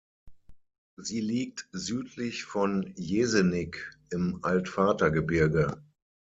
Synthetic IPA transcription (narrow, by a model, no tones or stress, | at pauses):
ziːliːk̚tzyːtʰlɪçfɔnjeːzənɪkɪmʔaltfaːtɐɡəbɪɐɡə